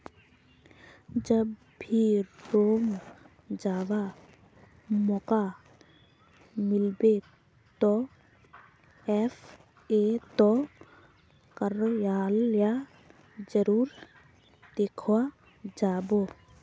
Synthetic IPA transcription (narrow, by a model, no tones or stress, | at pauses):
d͡ʒəb | bʱiɾoːm | d͡ʒaːwa | mɔka | mɪlbe | t̪ɔ | ɛf | et̪ɔ | kəɾjaːlja | d͡ʒəɾuːɾ | d̪̥eːkʰwa | d͡ʒaːboː